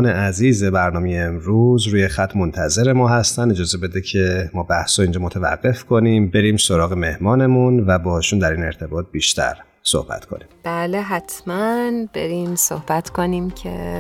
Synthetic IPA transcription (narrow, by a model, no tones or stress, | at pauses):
neʔæziːzebæɾnɒːmejeːmɾuzɾuːjexæt̪ʰmo̞nt̪ʰæze̞ɾe̞mɒːɦæst̪ænd̪e̞d͡ʒɒːzebe̞d̪ecʰe̞mɒːbæhsɔiːnd͡ʒɒːmot̪ʰevæ̰ɡːe̞fkʰo̞nimbe̞ɾiːmsoɾɒːɣe̞me̞hmɒːne̞munvæbɒːhɔʃund̪æɾiːne̞ɾt̪ʰe̞bɒːt̪̚biːʃt̪ʰæ̰ɾ | so̰hb̥æ̰t̪kʰo̞̰niːmb̥æːleɦæt̪ʰmænb̥ḛɾiːmsohb̥æt̪kʰoniːmcʰḛ